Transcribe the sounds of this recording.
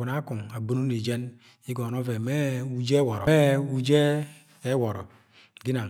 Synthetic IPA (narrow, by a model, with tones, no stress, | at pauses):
u˨na˦ku˨ŋa˨bu˦nu˦ni˨d͡ʒe˦n | i˦ɡɔ˨no˦ve˨me˦u˦d͡ʒe˦wɔ˨ɾɔ˨e˦u˦d͡ʒeː˦ | wɔ˨ɾɔ˨ | ɡi˦na˨